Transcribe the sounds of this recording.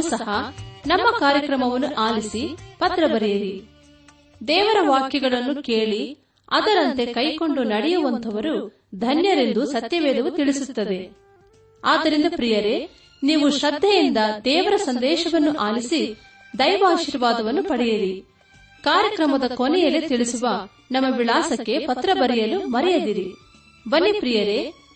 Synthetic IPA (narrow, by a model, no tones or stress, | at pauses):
sɐhɐnɐmːɐkaːɾjɐkɾɐmɐʋɐnːuʔaːlisipɐt̪ɾɐbɐɾɛjɐɾi | d̪ɛːʋɐɾɐʋaːkjɐɡɐɭɐnːukeːɭi | ɐd̪ɐɾɐnt̪e̞kɐjko̞ɳɖunɐɽɛjuʋɐnt̪ʰɐʋɐɾu | d̪ʱɐnjɐɾe̞nd̪usɐt̪jɐʋɛːd̪ɐʋut̪iɭisut̪ːɐd̪e̞ | aːd̪ːɐɾind̪ɐpɾijɐɾe̞ | niːʋuʃɐd̪ʱːɐjind̪ɐd̪ɛːʋɐɾɐsɐnd̪ɛːʃɐʋɐnːuʔaːlisi | d̪ɐjʋaːʃiːɾʋaːd̪ɐʋɐnːupɐɽɛjɐɾi | kaːɾjɐkɾɐmɐd̪ɐkonɛjɐlet̪iɭisuʋɐ | nɐmːɐʋiɭaːsɐkːe̞pɐt̪ɾɐbɐɾɛjɐlumɐɾɛjɐd̪iɾi | bɐnːipɾijɐɾe̞